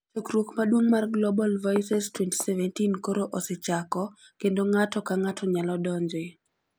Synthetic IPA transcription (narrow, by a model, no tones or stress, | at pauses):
t͡ʃokɾwokmadwoŋmarɡlɔbalvɔsɛstwɛnti̥sɛvɛntinkoɾoʔɔset͡ʃakɔ | kendoŋatɔkaŋatʰɔɲalɔdɔɲd͡ʒɪ